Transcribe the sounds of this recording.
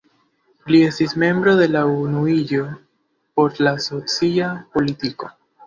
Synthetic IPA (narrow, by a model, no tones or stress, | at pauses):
lie̞stisme̞mbɾo̞ðe̞launuiʎo̞ | po̞ɾlaso̞t͡siapo̞litiko̞